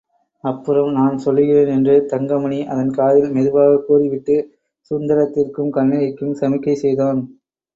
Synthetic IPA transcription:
ɐpːɯɾɐmnaːnsɔlːɯɣɪɾeːnɛndrɯt̪ɐŋɡɐmɐɳiʔɐðɐnkaːðɪlmɛðɯbaːɣɐkːuːriʋɪʈːɯ | sʊnd̪ɐɾɐt̪ːɪrkɯmkɐɳːɐɾɐɪkːɯmsɐmɪkːɐɪsɛjðaːn

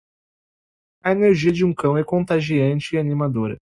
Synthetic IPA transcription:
ɐeneɾʒiɐd͡ʒɪũkɐ̃w̃ɛkõt̪aʒiɐ̃nt͡ʃɪːanimad̪oɾɐ̰

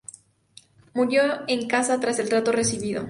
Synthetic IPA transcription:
muɾjo̞eŋkasat̪ɾase̞lt̪ɾat̪o̞re̞siβiðo̞̰

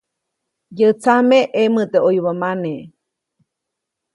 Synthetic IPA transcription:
jət͡sameʔemɨt̪eʔojβamane

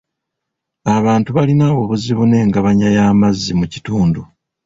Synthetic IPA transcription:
aβaːntuβalinaβoβuziβune̞ːŋɡaβaɲajaːmazːimuci̥tuːndu

